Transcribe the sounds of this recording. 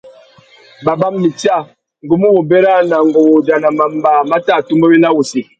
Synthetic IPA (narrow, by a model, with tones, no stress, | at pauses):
ba˨ba˦mːi˨ti˦a˦˨ | ŋ˨ɡu˦mu˦wo˨bɛ˦ɾa˦na˨ŋɡɔ˨wo˨d͡ʒa˨na˨ma˨m˦ba˨ma˦ta˦˨tu˦mbo˦wi˦la˦wu˨si˨